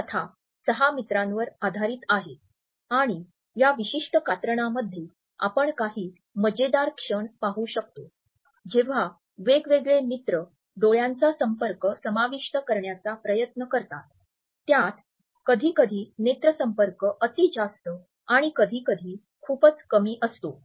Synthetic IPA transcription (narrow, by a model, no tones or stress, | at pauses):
ət̪ʰa | səɦamit̪ɾãnʋəɾad̪ʱaɾiːt̪aɦe | aɽ̃i | jaʋiɕiʂʈəkat̪ɾəɳ̃aməd̪ʱːje | a̰pəɳkaɦiː | məd͡ʑed̪aɾkʂəɳpaɦuɕək̚t̪o | d͡ʑeʋ̤a | ʋeɡʋeɡɭemit̪ɾə | ɖoɭjant͡sasəmpəɾkəsəmaʋiʂʈəkəɾɳjat͡sapɾəjət̪nəkəɾt̪at̪ː | jat̪ | kəd̪ʱiːkəd̪ʱiːnet̪ɾəsəmpəɾkəʔət̪iːd͡ʑast̪ə | aɽ̃ikəd̪ʱiːkəd̪ʱiː | kʰuːpət͡skəmiːʔəst̪o